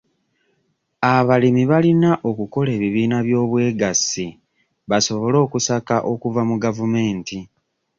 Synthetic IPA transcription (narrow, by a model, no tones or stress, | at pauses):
aβalimiβalinaʔo̞kuko̞le̞ːβiβiːnaβjo̞ːβwe̞ːɡasi | βaso̞βo̞lo̞ːkusakaʔo̞kuvamuɡavume̞ːnti